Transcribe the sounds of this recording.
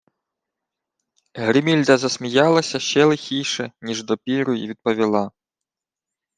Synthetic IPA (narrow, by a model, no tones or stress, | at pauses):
ɦɾʲɪmʲilʲd̪ɐzɐsmʲijɑlˠɐsʲɐʃt͡ʃɛlˠɪxʲijʂɛnʲiʐd̪ɔpʲiɾʊjḭʋʲid̪̚pɔʋʲilˠa